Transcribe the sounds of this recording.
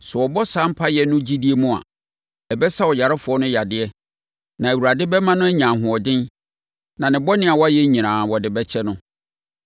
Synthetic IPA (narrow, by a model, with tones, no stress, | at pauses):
sɛ˨wɔ˨bɔ˦sã˨˦m̩˦pʰa˦jɛ˨nʊ̃˦d͡ʑi˦di˦e˦mʊ̃˦a̰˨ | ɛ˨bɛ˦sa˦wɔ˨ja˨ɾɪ˦fʊ˨ɔ˦nʊ̃˦ja˨dɪ˨ɛ˦ | nã˨e˨wu˨ɾa˨dɪ˦bɛ˦mã˦nʊ̃˦æ˦ɲã˨ɦʊ̃˨ɔ˨dɪ̃˦n | nã˨nɪ̃˨bɔ˦nɪ̃˦a˨wɔ˦a˦jɛ˦ɲĩ˨ɾãː˨wɔ˨dɪ˨bɛ˦t͡ɕʰɛ˦nʊ̃˦